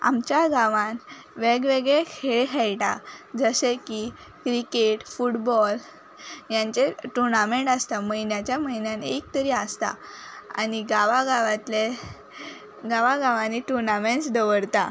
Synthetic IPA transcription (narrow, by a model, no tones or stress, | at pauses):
a̰mt͡ɕjaɡãʋãn | ʋeɡʋeɡɭekʰeɭɦʰɛɭʈad͡zəɕeki | kɾikeʈfuʈbɔl | jaɲt͡ɕeʈuɾnamẽɳʈast̪aməinjat͡ɕjaməɦinjãnek̚t̪əɾiast̪a̰a̰niɡaʋaɡaʋat̪le | ɡaʋaɡaʋãnːiʈuɾnamẽɳsd̪əʋəɽt̪a̰